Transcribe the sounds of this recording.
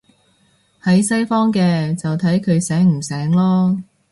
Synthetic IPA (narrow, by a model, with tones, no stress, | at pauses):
hɐ˨˥jsɐ˥jfɔː˥ŋkɛː˧t͡sɐ˨wt̪ʰɐ˨˥jkʰɵ˨˧ɥsɛː˨˥ŋm̩˨˩sɛː˨˥ŋlɔː˥